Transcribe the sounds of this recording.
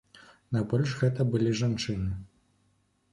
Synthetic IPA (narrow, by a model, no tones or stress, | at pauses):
najbɔlʲʐɣɛt̪ɐbɨlʲiʐant͡ʂɨnɨ